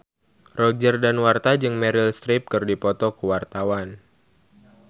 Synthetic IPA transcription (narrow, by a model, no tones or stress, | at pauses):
rɔd͡ʒərdanwart̪ad͡ʒɨŋmɛɾilst̪ɾɪp̚kɨrdipɔt̪ɔkuwart̪awan